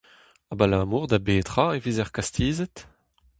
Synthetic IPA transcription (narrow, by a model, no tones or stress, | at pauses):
abalamuːʁd̪abeːt̪ʁaevizɛʁkast̪iːzɛt